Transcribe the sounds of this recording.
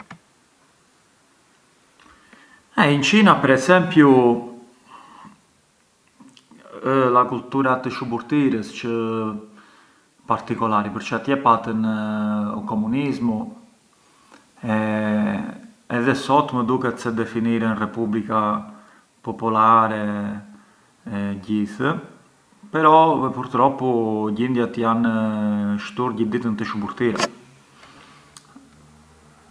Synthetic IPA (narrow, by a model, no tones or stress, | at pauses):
aint͡ʃinapəɾɛzɛmpju | əlakult̪uɾat̪əʃubuɾt̪iɾəst͡ʃə | paɾt̪ikɔlaɾipəɾt͡ʃat̪jɛpat̪ən | ukɔmunizmu | ɛ | ɛðɛsɔt̪məd̪ukɛt̪sɛd̪ɛfiniɾɛnrɛpublika | pɔpulaɾɛ | ɛɟiθə | pɛɾɔɛpuɾt̪ɾɔpuɟind̪jat̪jan | ʃt̪uɾɟid̪it̪ənt̪əʃubuɾt̪iɾɛ̰